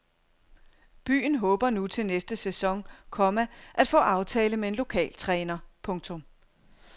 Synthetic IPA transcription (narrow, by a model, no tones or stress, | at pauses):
b̥y̰ːn̩ɦɔ̽ːb̥ɐnut͡sʰe̝lnesd̥əsesɒ̽ŋkʰɒ̽mæʔæd̥fɔ̰̽ːɑ̈ʊt͡sʰɛːləmee̝nlo̝kʰɛ̰ːlt͡sʰʁɛːnɐpʰɔ̽ŋt͡sʰɔ̽m